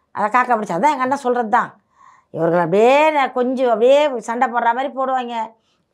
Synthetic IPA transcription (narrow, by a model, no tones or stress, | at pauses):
ʔɐ̰ðɐkaːkːɐpɐɽɯt͡ʃːaːɐt̪ãɛŋɡɐnːãːsɔlːɾɐðɯt̪ãː | ɪʋɐɾɣɐɭɐpɽɪjeːkɔɲd͡ʒɔ̃ɐpɽɪjeːsɐɳɖɐpoːɾɾaːmaːɾipoːɽɯʋaːŋɡɐ